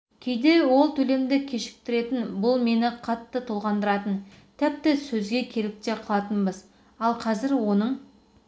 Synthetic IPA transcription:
kʲʰe̞jd̪e̞wo̞lˠt̪ʰɵle̞md̪ɪkʲʰe̞ʃɪ̥k̚t̪ɪɾe̞t̪ɪnbʊlˠme̞nɪqʰɑt̪ːət̪ʰolˠʁɑnd̪əɾɑt̪ən | t̪ʰɪp̚t̪ɪsɵzɡʲe̞kʲʰe̞lɪp̚t̪e̞qʰəlˠɑt̪ənbəz | ɑlˠqʰɑzɪɾwo̞nəɴ

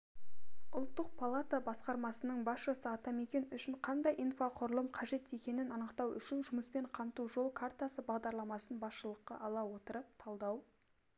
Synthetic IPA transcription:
ʊlˠt̪ːəq̚pʰalˠat̪abɑsqɑɾmɑsənəɴbɑsʃəsəɑt̪ɑme̞kʲe̞nʏʃɪɴqʰɑnd̪ɑjʔijnfaqʰʊɾəlˠəmqʰɑʒe̞t̪e̞kʲe̞nɪnɑnəqt̪ɑwʏ̰ʃɪnʒʊməspe̞ɴqʰɑmt̪uʒo̞lˠkʰart̪asəbɑʁd̪ɑɾlˠɑmɑsənbɑsʃəlˠəqːɑ̰ʔɑlˠɑwo̞t̪əɾəp̚t̪ʰɑlˠd̪ɑw

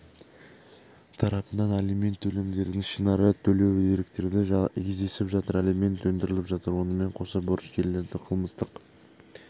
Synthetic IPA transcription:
t̪ʰɑɾɑpənɑnalime̞nt̪ʰːɵle̞md̪e̞ɾd̪ɪŋʃinɑɾət̪ʰɵle̞weɾɪkt̪e̞ɾd̪ɪʒʰʲezd̪e̞sɪpʒɑt̪əɾalime̞nt̪wɵnd̪ɪɾɪlɪpʒɑt̪əɾwo̞nəme̞ɴqʰo̞sɑbʊɾəskʲʰeɾːe̞ɾd̪ɪqʰəlˠməst̪əq

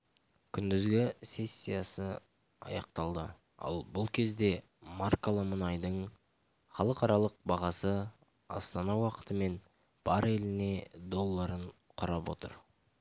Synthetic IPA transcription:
kʲʰʏnd̪ɪzɡʲɪsʲe̞sʲːijasə | ɑ̰jɑq̚t̪ɑlˠd̪ə | ɑ̰lˠbʊlˠkʲʰe̞zd̪e̞ | markolˠəmənɑjd̪əɴ | χɑlˠəqɑɾɑlˠəq̚bɑʁɑsə | ɑ̰st̪ɑnɑwɑqə̥t̪əme̞n | b̥ɑɾelɪne̞d̪o̞lˠːɑɾəɴ | qʰʊɾɑpwo̞̰t̪ə̰ɾ

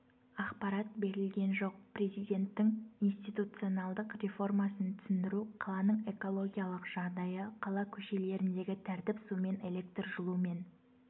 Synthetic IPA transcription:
ɑqpɑɾɑt̪̚be̞ɾɪlɡʲe̞nʒo̞q̚prʲe̞zijd̪e̞nt̪ːɪŋinst̪ijt̪ut̪sɨo̞nɑlˠd̪əqrʲe̞fo̞rmɑsənt̪ʰʏ̥sɪnd̪ɪɾuqʰɑlˠɑnəɴe̞ko̞lˠo̞ɡʲijalˠəqʒ̥ɑʁd̪ɑjəqʰɑlˠɑkʲʰɵʃe̞le̞ɾɪnd̪e̞ɡʲɪt̪ʰæɾt̪ɪpsume̞ne̞lʲe̞k̚t̪rʒəlˠume̞n

